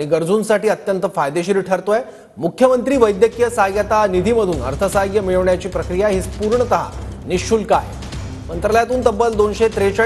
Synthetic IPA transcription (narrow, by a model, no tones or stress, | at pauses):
ɽ̃iɡəɾd͡zuːnsaʈiːət̪jənt̪əfajd̪eɕiːɾʈʰəɾt̪oje | mukʰjəmənt̪ɾiːʋəjd̪jəkjəsaɡjat̪anid̪ʱiːməd̪ʱuːnə̰ɾt̪ʰəsaɡjəmiɭəʋɳjat͡ɕiːpɾəkɾijaɦiːt͡spuɾɳət̪əɦa̰niɕt͡ɕuːlkaj | mənt̪ɾəljat̪uːnt̪əbːəld̪onɕet̪ɾet͡ɕa